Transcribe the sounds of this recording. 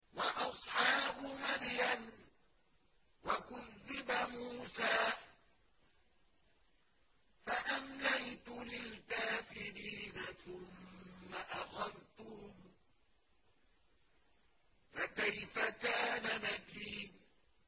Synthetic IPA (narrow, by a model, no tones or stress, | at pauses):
wɑʔɑsˤħɑːbʊmaɾjan | wakʊðːɪbamuːsaː | faʔamlajt̪ʊlɪlkaːfɪɾiːnaθʊmːaʔaxɑðt̪ʊhʊm | fakajfakaːnanakiːn